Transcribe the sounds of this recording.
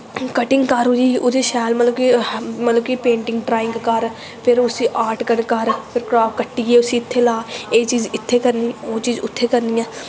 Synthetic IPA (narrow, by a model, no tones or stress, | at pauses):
kəʈɪŋɡkəɾʊd͡ʒiːʊd̪eːʃɛːlmət̪ləbkimət̪ləbkipẽːɳʈɪ̃ŋɡɖɾaːɪ̃ŋɡkəɾ | pʰɪɾʊsĩːʔaːɾʈkənkəɾpʰɪɾkɾaːpʰkəʈːiːɡeːʊsĩːɪt̪ʰːeːlaːeːt͡ʃiːzɪt̪ʰːeːkəɾniːoːt͡ʃiːzʊt̪ʰːeːkəɾniːɛ̃ː